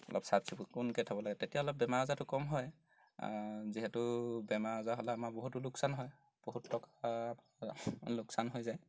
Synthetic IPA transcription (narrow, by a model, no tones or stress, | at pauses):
ɔ̰lɔ̰psab̚sʰibukʊnkɛtʰabɔlaɡɛtetijaɔlɔp̚bɛmaɹɔzatʊkɔmɦɔj̰ | ziɦɛtʊbɛmaɹɔzaɦɔlaamaboɦutːʊlʊksanɦɔj | b̥oɦutʰːɔkaapalʊksanɦojzaj